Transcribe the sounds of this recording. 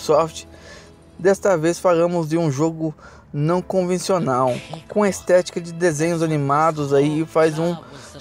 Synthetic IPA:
sɔft͡ʃɪ̥ | d̪ɛst̪ɐvesfalɐ̃mʊzd͡ʒɪũʒoɡʊ | nɐ̃w̃kõvẽsionawkõɐest̪ɛt͡ʃi̥kɐd͡ʒɪd̪ezẽɲʊzanimad̪ʊzaiɪfajzũ

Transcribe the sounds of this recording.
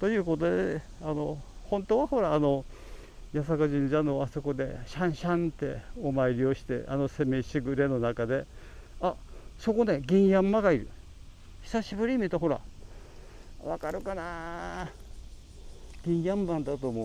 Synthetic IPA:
t̪o̞jɯ̟ːko̞t̪od̪e | ano̞hõ̞nt̪oːβaho̞ɾaːno̞ | jasakɯʑĩɲd͡ʑanoaso̞ko̞d̪e̞ɕãɰ̃ɕãnt̪e̞̰omaiɾʲio̞ɕi̥t̪e̞̰ʔano̞se̞me̞ɕiɡɯ̟ɾe̞no̞nakad̪e̞ | aso̞ko̞ne̞ɡʲĩɰjãmːaɡaiɾɯ̟̰ | ɕi̥saɕibɯ̟ɾʲimʲit̪oɦo̞ɾa̰ | βakaɾɯ̟kana | ɡ̥ʲĩɰjãmbãnd̪at̪oːmo

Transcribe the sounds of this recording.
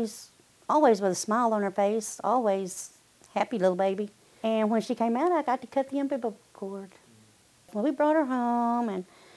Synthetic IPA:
z̥ | ɔlˠwizwəðəsmaɪlˠə̃nə˞feɪsɔ̰lˠwiz̥ | hæpilɪɾl̩ˠbeɪbi | ɨ̃nwə̃nʃikʰẽɪ̃maʊɾaɪɡɑtɨkʰʌt̪̚ðiɛ̃mpibəkʰɔɹd̥ | wə̃nwibɹɔt̚hə˞ɦõʊ̃mɨ̃n

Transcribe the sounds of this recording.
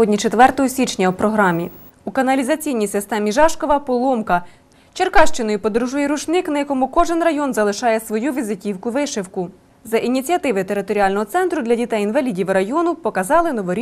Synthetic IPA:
ɔdʲnʲit͡ʃet̪ʋɛrt̪ɔɦɔsʲit͡ʃnʲɐwpɾɔɦɾɑmʲi | ukɐnɐlʲizɐt͡sʲijnʲijsɪst̪ɛmʲiʒɑʃkɔʋɐpɔlˠɔmkɐ | t͡ʃerkɑʃt͡ʃɪnɔjʊpɔd̪ɾuʒujɛɾuʃnɪknɐjɐkɔmʊkɔʒɪnrɐjɔnzɐlˠɪʃɑjɛsʋɔjuʋʲizɪtʲiwkʊʋɪʃɪwkʊ | zɐʔinʲit͡sʲiɐt̪ɪʋɪt̪eɾɪt̪ɔɾʲiɑlʲnɔɦɔt̪sɛnt̪ɾʊd̪lʲɐdʲit̪ɛjinʋɐlʲidʲiʋɾɐjɔnʊpɔkɐzɑlˠɪnɔʋɔɾʲ

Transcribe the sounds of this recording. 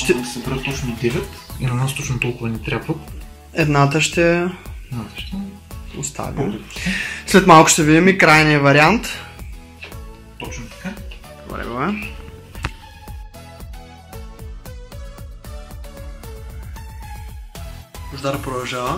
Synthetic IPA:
ʃt̪ɛsɛbɾət̪ːɔt͡ʃnod̪ɛvɛt̪inɐnast̪ɔt͡ʃnʊt̪ɔlˠkʊvɐnɛt̪ɾʲapvət̪ | ɛd̪nat̪əʃt̪ɛnat̪ə̥ʃt̪ɛ | ʊ̰st̪ʰa̰vḭ̥ | slɛt̪malˠkʊ̥ʃt̪ɛvid̪imikɾajniɐvɐɾiant̪ | t̪ɔt͡ʃnʊt̪ɐ̥ka | bɾɛ̰ɡovɛ | zd̪aɾpɾod̪ɐlˠʒavə

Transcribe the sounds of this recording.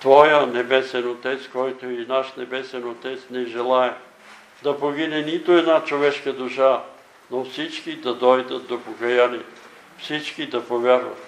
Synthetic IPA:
t̪vɔjənɛbɛsɛnot̪ɛt̪skɔjt̪oinaʃnɛbɛsɛnot̪ɛt̪snɛʒɛlˠaɛ | d̪ɐpoɡinɛnit̪oɛd̪nat͡ʃovɛʃkəd̪uʃa | nofsit͡ʃkid̪ɐd̪ɔjd̪ət̪̚d̪opokɐjaniɛ | fsit͡ʃkid̪ɐpovʲjaɾvɐ̰t̪

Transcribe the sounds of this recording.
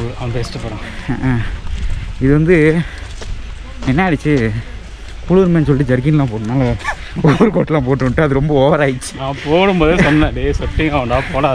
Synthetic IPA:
ɐɐmbɛsʈːɯpɐːɽãː | ɪðɯʋɐnd̪ɯ | ɛnːɐɐɽɯt͡ʃːɯ | kuːɭɯɯɾmɐːnːs̬ɔlʈːɯd͡ʒɐɾɡɪnlãːp̬oːɽɯnaːlɐ | ɔʋɐɾɯkoːʈːlãːp̬oːʈːɯʈːɯɐðɯɾɔmbɐoːʋɐɾaːjt͡ʃːɯ̥nãːpoːɽɯmboːðesɔnːɛ̃ːɖesɐt̪ːɪŋɡɐːʋɐɳɖaːpoːɽaː

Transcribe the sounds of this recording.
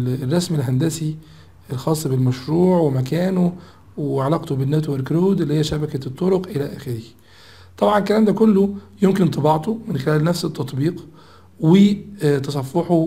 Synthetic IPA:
rˤːɑsmilɦænd̪æsi | elxɑːsˤːɑbɪlmæʃɾuːʕwemækæːno | wʕɑlɑːqt̪obɪnːæːt̪̬weɾkɾoːd̪ʔɪlːihejːæʃæbækæt̪ˤːoɾoqʔelæʔæːxɪɾɪh | t̪ˤɑbʕɑnelkːælæːmd̪ækolːojomkɪnt̪ˤɑbɑʕt̪omɪnxelæːlnæfset̪ːɑt̪ˤbiːq | wɪt̪ɑs̬ˤɑfːɑħo

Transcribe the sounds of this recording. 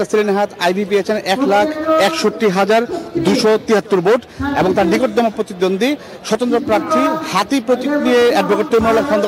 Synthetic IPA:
asilenɦat̪ʰajbipeet͡ɕʰenɛklakʰɛkʃoʈːiɦad͡ʑaɾd̪uʃot̪iɦat̪ːuɾboʈeboŋt̪aɾnikoʈ̚d̪ɔmopɾot̪id̪ond̪ʱi | ʃɔt̪ont̪ɾopɾaɾt̪ʰiɾhat̪ipɾot̪ikɾieɛɾ̚bʱokoʈt̪ːomolaɾʃɔnd̪

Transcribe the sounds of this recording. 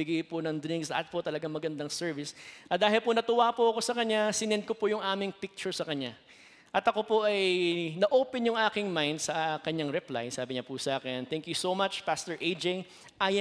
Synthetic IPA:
ɪɡajponɐŋd̪ɾĩŋksɐ̰t̪̚pot̪ɐlɐɡaŋmɐɡɐnd̪ɐŋsɛɹvɪsʔɐd̪aːɦɪlponɐt̪ʊwaːpoʔɐko̞sɐkɐɲːasɪnɛnd̪̚kopojʊŋʔaːmɪŋpɪk̚t͡ʃʊɹsɐkɐɲa | ʔɐt̪ɐko̞poʔɐjnɐʔoːpɛnjʊŋʔaːkɪŋmajnd̪̚sɐkɐɲaŋɾɛpla̰jsaːbɪɲɐpʊsʔaːkɛnt̪ɛŋkjusomat͡ʃpast̪ɛɹʔed͡ʒej | ʔaj

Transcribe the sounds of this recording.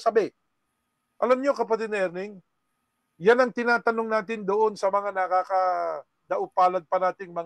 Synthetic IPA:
sɐbɛ | ʔɐlamɲokɐpɐt̪ɪd̪̚nʔɛɾnɪŋ | janɐŋt̪ɪnaːt̪ɐno̞ŋnaːt̪ɪnd̪oʔo̞nsɐmɐŋanɐkakɐ | d̪ɐʔʊpaːlɐd̪̚pɐnaːt̪ɪŋmɐ

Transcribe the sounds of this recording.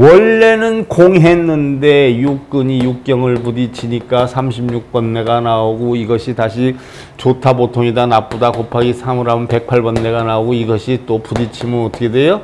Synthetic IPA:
wʌɭːe̞nɯnkoŋɦe̞nːɯnde̞juk̚k͈ɯɲijuk̚k͈jʌŋɯɭpudit͡ɕʰiɲik͈asʰamɕʰimɲuk̚p͈ʌnːe̞ɡanaoɡoiɡʌɕʰitaɕʰi | t͡ɕotʰapotʰoŋidanap͈udakopʰaɡisʰamɯɾanpe̞k̚pʰaɭbʌnːe̞ɡanaoɡoiɡʌɕʰit͈opudit͡ɕʰimɯnʌtʰʌkʰedejo

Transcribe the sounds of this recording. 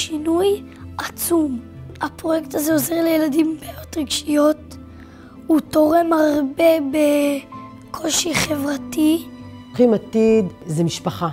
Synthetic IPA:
ʃinuj | ʔat͡sumapʁo̞jektazeoze̞ʁlejeladimbeajo̞tʁiɡʃijo̞t̚ | uto̞ʁe̞maʁbe̞be | kʰo̞lʃiχevʁati | χimat̪id̪zemiʃpaχa

